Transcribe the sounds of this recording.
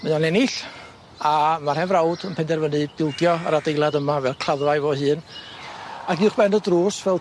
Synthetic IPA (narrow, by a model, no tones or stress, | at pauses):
məjanɛnɪɬ | amarhɛvrawdənpʰɛndɛrvənɨbɪlˠdjɔəɾadejlˠadəmavɛlˠkʰl̥aðvajvoːhɨːn | aɡiʊχb̥ɛnədruːsvɛlˠ